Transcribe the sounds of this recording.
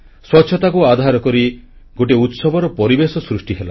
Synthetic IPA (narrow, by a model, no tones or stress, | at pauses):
swɔtːʃʰɔt̪akuad̪ʱaɾɔkɔɾi | ɡoʈiut̪sɔbɔɾɔpɔɾibesɔsɾusʈiɦela̰